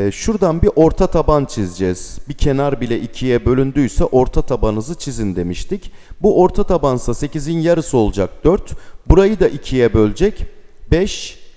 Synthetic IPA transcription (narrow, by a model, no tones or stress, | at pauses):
ʃuɾd̪anbiʔo̞ɾt̪ʰat̪ʰabant͡ʃʰizd͡ʒɛz̥bicʰe̞naɾbilʲɛʔicʰijɛbø̞lʲynd̪yjsɛʔo̞ɾt̪ʰat̪ʰabanɯzɯt͡ʃʰizind̪e̞miʃt̪icbuʔo̞ɾt̪ʰat̪ʰabansase̞cizinjaɾɯsɯo̞lˠud͡ʒak̚d̪̥øɾt̪buɾajɯd̪aʔicʰijɛbø̞lʲd͡ʒɛcbɛʃ